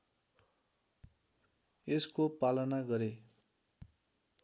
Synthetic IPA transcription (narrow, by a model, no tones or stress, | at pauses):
eskopalʌnaɡʌɾe